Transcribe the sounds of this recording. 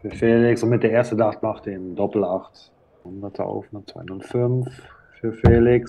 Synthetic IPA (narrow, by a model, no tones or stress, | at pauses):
fyːɐfeːlɪksʊntmɪt̚d̥eːɐeːɐstənaχtmaχtendɔpl̩aχt | ʊndɐtʰa̰ʊfn̩dət͡sv̥a̰ɪnɔlfʏnf | fyːɐfeːlɪks